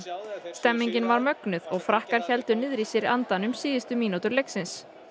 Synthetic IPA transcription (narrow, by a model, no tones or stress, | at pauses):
st̪ɛmːiɲcɪnvaɾmœknʏðɔɣfɾahkaɾ̥çɛlt̪ʏnɪðɾisɪɾant̪anʏmsiːðɪst̪ʏmiːnot̪ʏɾlejksɪns